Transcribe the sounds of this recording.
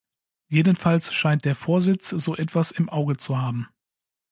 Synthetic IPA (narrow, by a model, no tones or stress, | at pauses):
jeːdən̩falsʃaɪnt̚d̥eːɐfoːɐzɪt͡sz̥oːʔɛtv̥asɪmʔaʊɡət͡suhaːbm̩